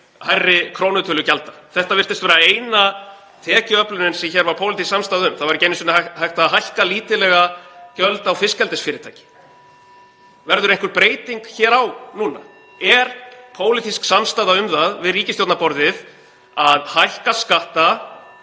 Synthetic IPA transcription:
hajrːɪkʰɾoːwnʏt̪ʰʏlʏcalt̪aθɛht̪avɪr̥t̪ɪst̪vɛːɾaeːjna | t̪ʰɛːcʏœplʏnɪnsɛmçɛɾvaɾpʰoːwlɪt̪isksamst̪aːðaʏmθaðvaɾɪceːjnʏsʏnahajht̪aɦajhkaliːt̪ɪlɛɣacœlt̪awfɪskɛlt̪ɛsfɪːɾɪt̪ʰaːjcɪ̥ | vɛɾðʏɾejŋ̥kʏɾpɾeːjt̪iŋkçɛːɾawnuːna̰ | ɛɾ̥pʰoːwlɪt̪isksamst̪aːðaʏmθaðvɪðriːcɪst̪jowt̪napɔɾðɪð | aðhajhkaskaht̪a

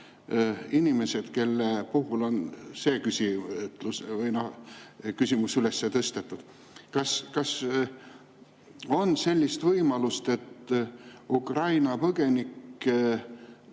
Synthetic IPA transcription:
inime̞se̞d̪̥ke̞lːepuɦulo̞nse̞ːkysʲit̪lusvɤjnokysʲimusyle̞sːet̪ɤst̪et̪ːˑud̪̥ | kɑskɑs | o̞nse̞lʲːist̪vɤjmɑlust̪e̞t̪ː | ukrɑjnɑpɤɡ̥e̞nikː

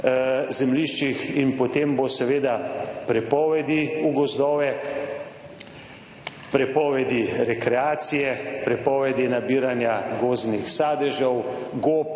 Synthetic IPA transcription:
zɛmliʃt͡ʃixinpɔt̪embosɛʋeːd̪apɾɛpɔːʋɛd̪iuɡɔzd̪ɔːʋɛ | pɾɛpɔːʋɛd̪iɾɛkɾɛaːt̪sijɛpɾɛpɔːʋɛd̪inabiːɾanjaɡoːznixsaːd̪ɛʒɔw | ɡop̚

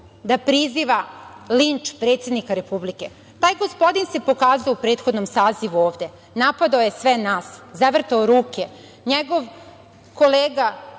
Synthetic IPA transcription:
d̪apɾiziʋalint͡ʂpɾet̪sed̪nikaɾe̞publike | t̪aːjɡo̞spo̞d̪inse̞po̞kaːzuoupɾeːt̪xo̞d̪nomsaːziʋuoːʋd̪e̞ | napad̪aojesʋenaːszaʋr̩t̪aoɾuːke | ɲeɡo̞ʋ | ko̞leːɡa

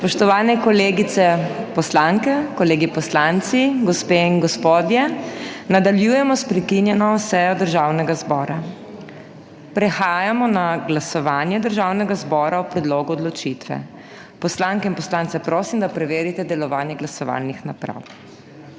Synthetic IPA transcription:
spɔʃt̪ɔʋaːnɛkɔleːɡit̪ɛpɔslaŋkɛkɔleːɡipɔslant̪siɡɔspeːiŋɡɔspod̪jɛnad̪aljujɛmɔspɾɛkinjɛnɔsɛjɔd̪əɾʒawnɛɡazbɔːɾa | pɾɛxaːjamɔnaɡlasɔʋaːnjɛd̪əɾʒawnɛɡazbɔːɾaupɾɛd̪loːɡuɔːd̪lɔt͡ʃit̪ʋɛ̰ | pɔslaŋkɛinpɔslant̪sɛpɾoːsimd̪apɾɛʋeːɾit̪ɛd̪ɛlɔʋaːnjɛɡlasɔʋa̰ːlnixnapɾa̰w

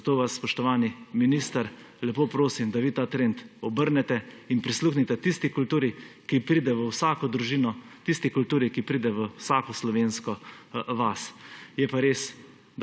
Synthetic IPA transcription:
t̪oːʋasːpɔʃt̪ɔʋaːniminist̪əɾ | lɛpoːpɾoːsimd̪aʋiːt̪aːt̪ɾent̪ɔbəɾnɛt̪ɛinpɾisluːxnit̪ɛt̪ist̪ikult̪uːɾikipɾiːd̪ɛʋəwsaːkɔd̪ɾuʒiːnɔ | t̪ist̪ikult̪uːɾikipɾiːd̪ɛʋəsakɔslɔʋeːnskɔʋasjɛpaɾeːs

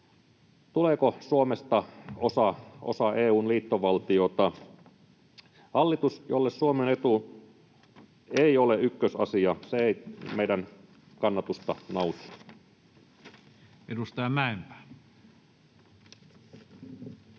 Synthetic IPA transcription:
t̪uleːkosuomest̪ɑosɑo̰sɑʔeːuːnliːt̪ːoʋɑlt̪iot̪ɑ | hɑlːit̪usjolːessuomenet̪u | eioleykːøsɑ̰siɑseeimeidæn | kɑnːɑt̪ust̪ɑnousːˑu̥ | edust̪ɑjɑmæˑempæ̥ː

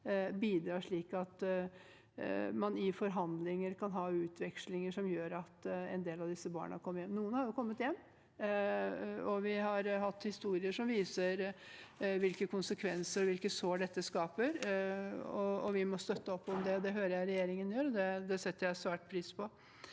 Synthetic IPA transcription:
biːd̪ɾɑːʂɭiːkɑt̪ | mɑnɪfɔɾɦɑnd̪lɪŋəɾkʰɑnɦɑːʉːt̪ʰʋɛkʂlɪŋəʂɔmjøːɾɑt̪ɛɪnd̪eːlɑʋd̪ɪsːəbɑ̰ːɳəɑkʰɔmːəjɛmːnuːənhɑɾjʊkʰɔmːət̪jɛmː | ɔʋɪɦɑɾhɑt̪ːhɪst̪uːɾɪəʂɔmʋiːsəɾ | ʋɪlkəkʰʊnsəkʰʋɛnsəɾɔʋɪlkəsoːɖɛt̪ːəskɑːpəɾ | ɔɔʋɪmɔst̪œt̪ːəɔpːɔmd̪ɛd̪ɛɦøːɾəjæɪɾɛjeːɾɪŋənjøːɾɔd̪ɛd̪ɛsɛt̪ːəɾjæɪsʋæːʈ̚pʰɾiːspʰɔ

